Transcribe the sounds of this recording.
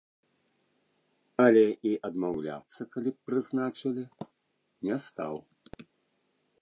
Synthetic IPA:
ɐlʲɛʔiʔɐd̪mawlʲa̰t̪sːɐkalʲipɾɨznat͡ʂɨlʲi | nʲɛst̪a̰w

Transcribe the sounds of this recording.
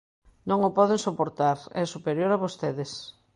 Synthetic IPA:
nõŋopɔðeŋsopoɾt̪aɾɛsupeɾjoɾaβost̪eðɪs

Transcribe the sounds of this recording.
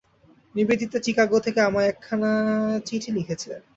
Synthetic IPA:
nibid̪ʱit̪aʈikaɡot̪ʰekeamaɾɛkʰːanat͡ɕiʈʰilikʰet͡ɕʰe

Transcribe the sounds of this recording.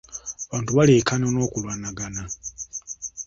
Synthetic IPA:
βaːntuβalekanono̞ːkulwanaɡana

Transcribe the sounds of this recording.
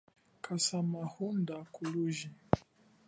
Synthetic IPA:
kʰasamahundakuluʒi

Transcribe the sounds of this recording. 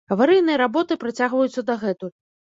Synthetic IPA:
ɐvaɾɨjnɨjɐɾabɔt̪ɨpɾat͡sʲaɣvɐjut̪sːɐd̪ɐɣɛt̪u

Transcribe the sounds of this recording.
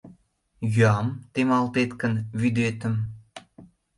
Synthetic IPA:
jyɑmt̪emɑlt̪et̪kənβyd̪et̪ə̆m

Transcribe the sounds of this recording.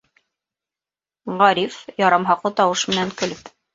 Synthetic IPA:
ʁɑɾifjɑɾɑmɦɑqlˠɤt̪ɑwɤʃmɘ̆næŋkɵ̆lɵp

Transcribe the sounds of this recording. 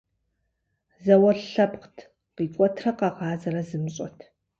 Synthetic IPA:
zɐwɐɬɐpqtʰ | qiːkʷʼɔtʰrɐqɑʁɑːzɐɾɐzɨmɕʼɔ̰tʰ

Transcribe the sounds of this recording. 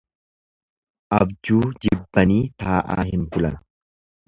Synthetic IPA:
ʔɐbd͡ʒuːd͡ʒɪbːɐniːt̪aːʔa̰ːɦɪnkʊlɐnɐ̥

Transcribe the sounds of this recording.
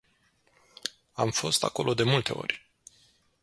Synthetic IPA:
amfo̞st̪ako̞lʔo̞d̪e̞mult̪e̞o̞̰rʲ

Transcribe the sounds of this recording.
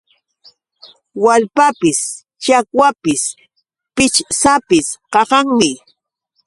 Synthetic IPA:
walpapɪs | t͡ʃakwapɪs | pɪt͡ʃsapɪsqɑqɑŋmɪ

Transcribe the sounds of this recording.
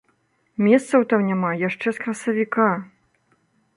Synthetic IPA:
mʲɛst̪sɐwt̪awnʲamajaʂt͡ʂɛskɾɐsɐvʲika

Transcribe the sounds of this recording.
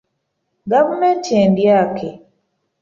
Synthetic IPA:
ɡavumentieːndjaːkʰe

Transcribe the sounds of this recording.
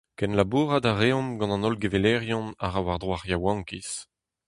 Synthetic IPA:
kɛnlabuːʁad̪aʁeɔ̃mɡɑ̃nɑ̃nɔlɡevelɛʁjɔ̃naʁawaʁd̪ʁwaʁjawɑ̃ŋkis

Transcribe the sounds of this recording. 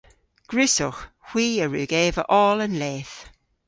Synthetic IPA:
ɡ̥ɹʉsʊx | hw̥iːəɹʉːɡeːvəʔɔːlənleːθ

